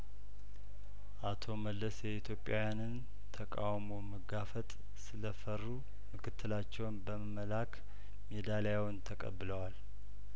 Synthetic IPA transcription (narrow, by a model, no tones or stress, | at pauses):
ʔat̪ʰo̞məlːəsjɛit̪ʰjo̞pʼːjawjanɨn | t̪ʰəkʼawmoməɡafət̪ʼ | sɨləfərːu | mɨkʰɨt̪ʰːɨlat͡ʃːɛwnbəməməlak | med̪alajawnt̪ʰəkʼə̰bːɨləwal